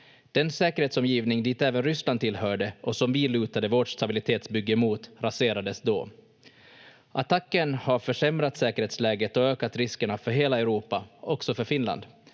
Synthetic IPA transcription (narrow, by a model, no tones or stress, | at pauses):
d̪̥ɛnsɛːkəɾheːt̪sɔmjiːvnɪŋd̪iːt̪ɛːvənɾʏslanʰɪlɦœːɖəʔɔsɔmvɪlʉ̟ːt̪ad̪əvoːʈʂt̪ʰabɪlɪt̪ʰeːt̪sbʏɡːəmuːt̪ɾaseːɾad̪əsd̪ɔ̰ː | ʔat̪ʰakːənhaɾfœʂɛmɾat̪sɛːkəɾheːt̪slɛːɡət̪ɔøːkat̪ɾɪskəɳafœɾɦeːlaɛʊɾuːpaɔksɔfœɾfɪnla̰nd̪